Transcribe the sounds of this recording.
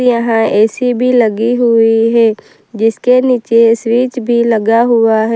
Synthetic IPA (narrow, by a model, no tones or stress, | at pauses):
jɐɦãɛːsibʱilɐɡiɦʊiɦɛː | d͡ʒɪskeniːt͡ʃeswiːt͡ʃbʱilɐɡaɦʊaɦɛ